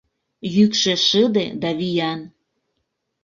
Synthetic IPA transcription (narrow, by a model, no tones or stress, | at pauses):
jykʃĕʃəd̪ed̪ɑβijɑn